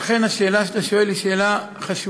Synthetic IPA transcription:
χe̞naʃe̞ːlaʃat̪aʃo̞e̞lːiʃe̞ːla | χaʃu

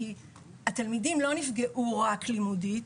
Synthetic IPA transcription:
i | at̪almidimlo̞nifɡe̞ʔuʁaklimudi

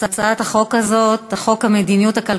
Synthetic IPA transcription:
at͡saat̪haχo̞kazo̞t̪aχo̞khamed̪inijut̪aka

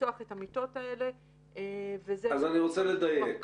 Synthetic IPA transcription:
oaχe̞thamito̞taele̞ | vezeazaniʁot͡seledajek

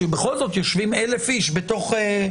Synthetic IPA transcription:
ebeχo̞lzo̞t̪jo̞ʃvimelefiʃbeto̞χe

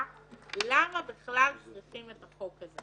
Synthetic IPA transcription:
lamabiχlalt͡sʁiχimet̪aχokaze

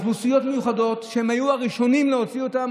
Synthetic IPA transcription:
lusijo̞tme̞juχado̞tʃehemajuaʁiʃo̞nimleo̞t͡sio̞tam

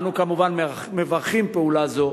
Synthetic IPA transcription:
nukamuvanm | mevaʁχimpeulazo̞

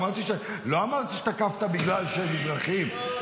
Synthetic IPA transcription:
aʁt̪iʃe | lo̞amaʁt̪iʃet̪akaft̪abiɡlalʃemivʁaχim

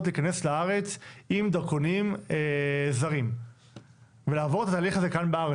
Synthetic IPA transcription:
t̪liːkane̞slaaʁe̞t͡simd̪aʁko̞nimezaʁim | velaːvo̞ʁet̪at̪aːliχazekanbeaʁ

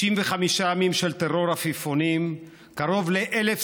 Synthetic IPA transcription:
imveχamiʃaamimʃelt̪eʁo̞ʁafifonim | kaʁo̞vleʔelef

